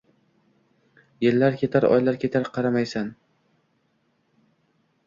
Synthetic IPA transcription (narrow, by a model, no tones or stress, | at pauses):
jelːaɾkʲʰe̞t̪ʰaɾɒ̰jlaɾkʲʰe̞t̪ʰaɾqʰɑɾamajsan